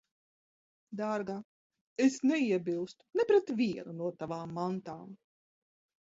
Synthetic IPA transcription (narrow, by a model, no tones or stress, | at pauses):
d̪aːɾɡa | esnɛiɛbʲilˠst̪u̥nɛpɾɛt̪vʲiɛnunuɔt̪avaːmːant̪aːm